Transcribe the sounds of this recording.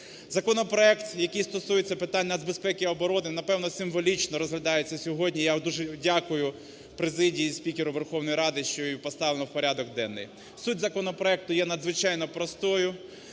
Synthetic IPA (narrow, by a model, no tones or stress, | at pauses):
zɐkɔnɔpɾɔɛkt̪jɐkɪjst̪ɔsujet͡sʲːɐpɪt̪anʲːnɐd̪zbespɛkʲɪɔbɔɾɔnɪnɐpɛwnɔsɪmʋɔlʲit͡ʃnɔɾɔzɦlʲɐd̪ɑjet͡sʲːɐsʲɔɦɔdʲnʲijad̪uʒɛdʲakʊjʊ | pɾezɪdʲijisʲpʲikʲeɾʊʋerxɔwnɔjɾɑd̪ɪʃt͡ʃɔjipɔst̪ɑʋlˠenɔwpɔɾʲad̪ɔɡd̪ɛnːɪ̰j | sutʲzɐkɔnɔpɾɔɛk̚t̪ʊjɛnɐd̪zʋɪt͡ʃɑjnɔpɾɔst̪ɔjʊ